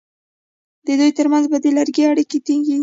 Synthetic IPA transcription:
d̪ed̪ujt̪əɾmanzbad̪elaɾɡeaɽiket̪iŋɡi

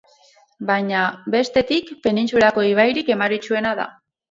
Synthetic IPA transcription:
bajɲabe̞st̪e̞t̪ikpe̞nint͡sulako̞iβ̞ajɾike̞maɾit͡ʃue̞naða̰

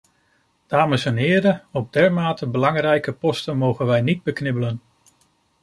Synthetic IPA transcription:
d̥aːməsɛnɦɪːɾəɔb̚dɛɹmaːtəbəlɑŋrɛjkəpɔstənmowχənʋɛjnid̚bəknɪbələn

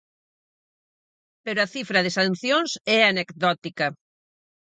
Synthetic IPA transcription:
peɾʊɐθifɾɐðɪsan̟θjoŋsɛanekd̪ɔt̪ikɐ

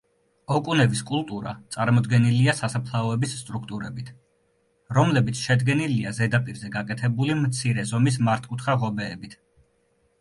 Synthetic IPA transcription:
ɔkʼunɛbiskʼulˠt̪ʼuɾa̰t̪sʼaɾmɔd̪ɡɛniliasasapʰlˠaɔɛbisːt̪ʼɾukʰt̪ʼuɾɛbit̪ʰ | ɾɔmlɛbit̪sʰʃɛd̪ɡɛniliazɛd̪apʼiɾzɛɡakʼɛt̪ʰɛbulimt̪sʰiɾɛzɔmis̬maɾt̪ʰkʼut̪ʰχaʁɔbɛːbit̪ʰ

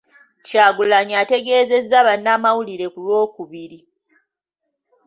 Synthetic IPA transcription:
caːɡulaɲate̞ɡe̞ːze̞zːaβanːaːmawuliɾe̞kulwo̞ːkuβiɾi

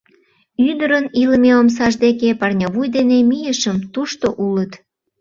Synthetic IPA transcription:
yd̪əɾəniləmeoms̬ɑʒd̪ekepɑrnʲɑβujd̪enemijəʃəmt̪uʃt̪oʔulət̪

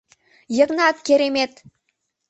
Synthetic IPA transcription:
jə̆knɑkkʲeɾemet̪

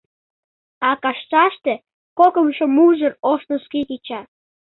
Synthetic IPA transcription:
ɑkɑʃt͡ʃɑʃt̪ĕ | kokəmʃomuʒəroʃnoskit̪it͡ɕɑ

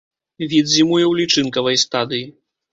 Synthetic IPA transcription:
vʲid̪zʲimujɛwlʲit͡ʂɨnkɐvɐjst̪ad̪ɨji

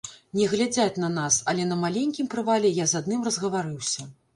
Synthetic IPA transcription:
nʲɛɣlʲad͡zʲat͡sʲnɐnasɐlʲɛnɐmalʲenʲkʲimpɾɨvalʲɛjazad̪nɨmrɐzɣɐvaɾɨwsʲɐ

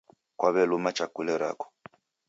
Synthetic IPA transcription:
kwaβɛlumat͡ʃakulɛɾa̰kɔ̥

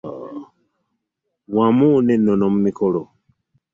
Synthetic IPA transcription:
wamunenonomumikolo

